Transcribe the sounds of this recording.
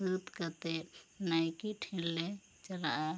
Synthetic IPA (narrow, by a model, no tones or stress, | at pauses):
ut̪kət̪enajkiʈʰilːe | t͡ʃəlaa